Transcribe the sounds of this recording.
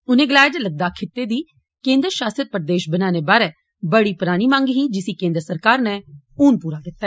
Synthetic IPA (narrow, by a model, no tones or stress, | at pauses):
ʊnẽːɡəlaːjd͡ʒləɡ̚d̪aːkʰɪt̪ːeːd̪iː | kẽːnd̪ɾʃaːsət̪̚pəɾd̪eːʃbənãːneːbaːɾɛː | bəɽiːpɾaːñiːmãːŋɡɦiːd͡ʒɪsiːkẽːnd̪əɾsəɾkaːɾnɛː | uːnpuːɾaːkɪt̪ːaɛ